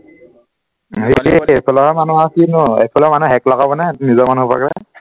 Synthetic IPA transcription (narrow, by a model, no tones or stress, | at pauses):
ɦiliepʰɔlɔɦɛmanuasinuḛpʰɔlɔmanuɦɛklakabɔnɛnizɔmanupa̰kɹɛ̰